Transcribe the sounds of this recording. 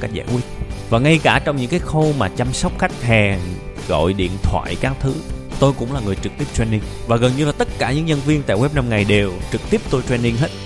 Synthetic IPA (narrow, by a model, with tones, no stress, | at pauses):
ka˦˥k̚zaː˧jkwi˦˥ət̚vaː˨˩ŋa˧jkaː˧˩t͡ɕɔ˧wŋ͡mɲɨ̰˧˥ŋkaː˨˦jxo˧maː˨˩t͡ɕa˧msɔ˦˥wk͡p̚xa˦˥jk̟̚hɛ˨˩ɣɔ̰˧˨jɗḭ˧˨ənt̪ʰwa̰ː˧˨jkaː˨˦mt̪ʰɨ˨˦t̪o˧jkʊ̰˧˥ŋ͡mlaː˨˩ŋɨ˨˩əjt͡ɕɨ˨˩k̚t̪i˦˥əp̚t̪ɛ˧ni˧ŋvaː˨˩ɣə˨˩nɲɨ˧laː˨˩t̪ə˦˥t̚kaː˧˩ɲɨ̰˧˥ŋɲə˧nvi˧ənt̪a̰ː˧˨jwɛ˦˥p̚na˧mŋa˨˩jɗe˨˩wt͡ɕɨ˨˩k̚t̪i˦˥əp̚t̪o˧jt̪wɛ˧ni˧ŋɦe˦˥t̚